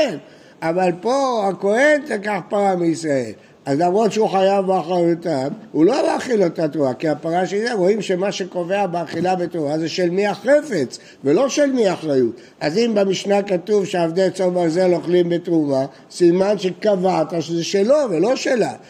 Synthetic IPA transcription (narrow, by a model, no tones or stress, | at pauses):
en | avalpo̞ako̞he̞ntekaχpaʁameisʁae̞̰l | azlamʁo̞t̪ʃeuχajavbeaχʁajut̪amulo̞maχilot̪atʁuvakiapaʁaʃelzeʁo̞imʃemaʃe̞ko̞ve̞abeaχilabet̪ʁuvazeʃelmiaχe̞fe̞t͡s | velo̞ʃelmiaχʁajut̪ | azimbemiʃnakatuvʃeavd̪et͡sovazelo̞χlimbetʁuva | simanʃekavat̪aʃezeʃelo̞velo̞ʃela